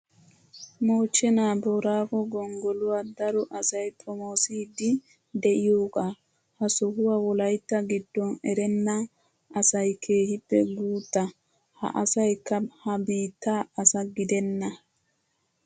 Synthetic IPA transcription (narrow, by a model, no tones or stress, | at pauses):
mo̞ːt͡ʃːɛnaːboɾaːkɔɡɔŋɡɔlʊwaːd̪ɐɾɔʔɐsɐjt̪ʼɔmoːsiːd̪ɪ | d̪ɛʔɪjoːkʼaː | hɐsɔhʊwaːwɔlɐjt̪ːɐɡɪd̪ːɔnɛɾɛnːɐ | ɐsɐjkʰe̞ːhɪpːɛɡuːt̪ːɐ | hɐ̰ʔɐsɐjkːɐhɐbiːt̪ːaːɐsɐɡɪd̪ɛnːɐ